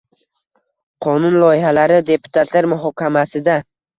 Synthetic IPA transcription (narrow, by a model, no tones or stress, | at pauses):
qʰɒnʊnlˠɒjɪhalaɾɪd̪e̞pʰʊ̥t̪ʰat̪ʰlaɾmʊɦɒkʲʰamasɪd̪a